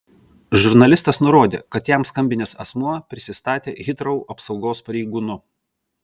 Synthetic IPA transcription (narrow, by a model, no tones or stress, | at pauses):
ʒʊɾnɐlʲɪst̪ɐsnʊɾoːd̪ʲḛːkɐt̪jɛmskɐmʲbʲɪnʲeːsɐsmuɔpʲɾʲɪsʲɪst̪ɑːt̪ʲḛːɣʲɪt̪ɾɐʊɐpsɒʊɡoːspɐɾʲɛɪɡuːnʊ